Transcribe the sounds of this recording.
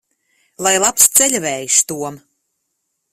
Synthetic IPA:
lˠajlˠapst̪sɛlʲvɛːjiʃt̪uɔm

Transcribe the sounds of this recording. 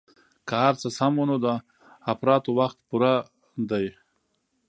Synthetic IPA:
kahaɾt͡səsamonod̪ə | afɾɑt̪owaxt̪puɾa | d̪aj

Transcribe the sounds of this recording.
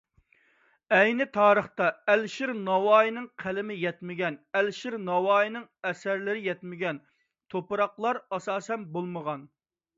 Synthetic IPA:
ɛjnɪt̪ʰɑːɾəχt̪ɑɛlʃiɾnɑwɑːjinɪŋqʰælɪmɪjɛt̪mɪɡʲɛnɛlʃiɾnɑwɑːjinɪŋɛsæɾlɪɾɪjɛt̪mɪɡʲɛn | t̪ʰopɨɾɑqlˠɑɾɑsɑːsɛnbolˠməʁɑn

